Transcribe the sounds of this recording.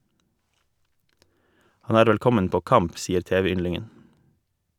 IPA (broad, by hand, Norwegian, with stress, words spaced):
ˈhɑn ˈæːɾ ˈʋɛlˌkɔmən ˈpoː ˈkɑmp ˈsiːəɾ ˈteːʋɛˌʏnlɪŋən